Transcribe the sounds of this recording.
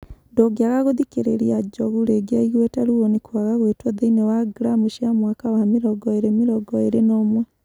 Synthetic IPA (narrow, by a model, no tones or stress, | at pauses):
ndoɡjaɣaɣoðikeɾḛɾiad͡ʒɔɣuɾeɡjaiɣwɛtaɾuonikwaɣaɣwetwɔðeinewaɡɾamuʃiamwakawamiɾɔɡɔeɾemiɾɔɡɔeɾenoːmwɛ